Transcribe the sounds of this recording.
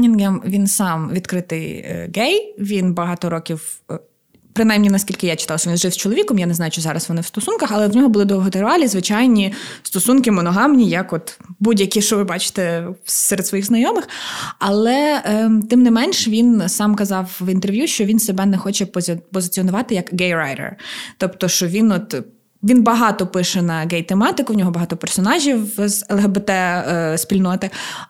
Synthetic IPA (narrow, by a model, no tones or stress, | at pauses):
nʲɪnɡɛmʋʲinsɑmʋʲid̪kɾɪt̪ɪj̰ɡɛjʋʲinbɐɦɑt̪ɔɾɔkʲiw | pɾɪnajmnʲinɐskʲilʲkɪjat͡ʃɪ̥t̪ɑlˠʃɔʋʲinzʒɪwst͡ʃɔlˠɔʋʲikɔmjanɛznɑjʊt͡ʃɔzɑɾɐsʋɔnɪwst̪ɔsunkɐxɐlˠɛwnʲɔɦɔbʊlˠɪd̪ɔɦɔt̪eɾʋɑlʲizʋɪt͡ʃɑjnʲist̪ɔsunkɪmɔnɔɦɑmnʲijɐkɔt̪budʲjɐkʲiʃɔʋɪbɑt͡ʃɪ̥t̪ɛsɛɾd̪sʋɔjixznɐjɔmɪxɐlˠɛt̪ɪmnɪmɛnʃʋʲinsɑmkɐzɑwʋint̪erʋjuʃt͡ʃɔʋʲinsebɛnɛxɔt͡ʃɛppɔzɪt͡sʲiɔnʊʋɑt̪ɪjɐkɡɛjɾɑjɾɛ̰rt̪ɔpt̪ɔʃt͡ʃɔʋʲinɔt̪ | ʋʲinbɐɦɑt̪ɔpɪʃɛnɐɡɛjt̪emɑt̪ɪkʊwnʲɔɦɔbɐɦɑt̪ɔpɛrsɔnɑʒʲiwzɛlˠɦɛbet̪ɛsʲpʲilʲnɔt̪ɪ